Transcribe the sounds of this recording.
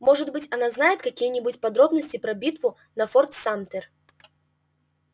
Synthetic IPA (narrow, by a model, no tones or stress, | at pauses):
mɔʐɨd̪bɨt͡sʲanaznajɛt̪kakʲijɛnʲibut͡sʲpad̪ɾɔbnɐsʲt͡sʲipɾɐbʲit̪vu | nɐfɔrt̪samt̪ɛr